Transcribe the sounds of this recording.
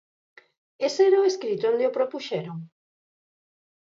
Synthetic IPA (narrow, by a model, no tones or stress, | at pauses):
esɛɾaʊeskɾit̪oond̪eopɾopuʃɛɾoŋ